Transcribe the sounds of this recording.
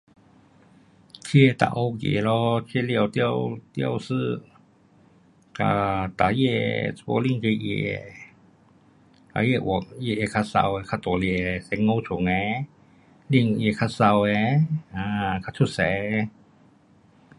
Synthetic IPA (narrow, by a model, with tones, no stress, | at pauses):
tʰi˧t̪a̰˧ʔo˧kḛ˨˦lɔ˧tʰi˧˨li˧˨ə˨t̪i˧ə˨wt̪ḭ˧ə˨wsɨ˧˩ | ka̰˧t̪a˨˦jɛ˧o̰˧˦li˧˥˨ŋke˧jḛ˧˨ɛ̰˧˩ | t̪a̰˨˦je˧˨ʔɔ˧˦k̚je˧˨ʔe˧kʰa˧sa̰˧wɛ˧kʰa˧˨t̪o˨li˧˨ɛ˧sɛ˨˦ŋːo˧wt͡ʃʰu˨˦ŋɛ˧˦ | li˧˨ŋ˧je˧˩kʰa˧sa˧wɛ˧˦a˧kʰa˧tʰu˧˩sɛ˨˧˦